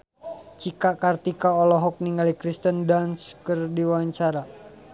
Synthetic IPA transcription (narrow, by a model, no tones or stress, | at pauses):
t͡ʃikakart̪ikaɔlɔɦɔk̚niŋɡalikɾist̪əndanskərdiwaɲt͡ʃaɾa